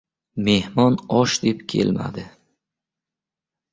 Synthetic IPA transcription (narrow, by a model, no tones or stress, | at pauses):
me̞hmɒnɒʃd̪e̞pkʲʰe̞̰lma̰d̪ɪ